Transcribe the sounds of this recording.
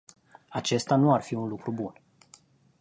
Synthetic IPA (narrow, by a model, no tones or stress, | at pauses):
at͡ʃe̞st̪anuarfiunlukɾubun